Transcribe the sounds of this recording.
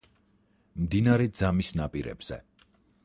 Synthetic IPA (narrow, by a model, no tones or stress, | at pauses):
md̪inaɾɛd̪zamisnapʼiɾɛ̰bz̥ɛ̰